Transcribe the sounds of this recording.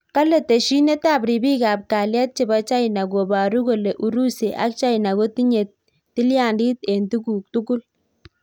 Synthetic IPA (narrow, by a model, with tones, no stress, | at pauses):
ka˦le˨te˨ʃi˦ne˦ta˦bɾi˨bi˦ka˨p̚ka˨lja˦t̚t͡ʃe˨ba˦t͡ʃa˦ɪna˨ɡo˨ba˨ɾu˦ko˨le˨ʔu˨ɾu˦se˨ʔa̰˦k̚t͡ʃa˦ina˨ɡo˦ti˦ɲe˨t̚ː | i˦lja˨ndi˦te˨ntu˦ɡu˨k̚tu˦ɡʊ˦l